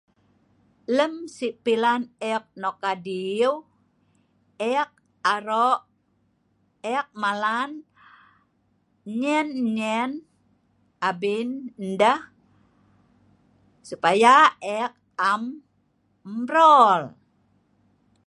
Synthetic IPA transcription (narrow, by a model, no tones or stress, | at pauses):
ləmsipilanɛk̚nokadiw | ɛk̚ | aɾoʔ | ɛk̚malan | ɲɛnɲɛn | abinndəh | supajaɛk̚ | am | ɾɔl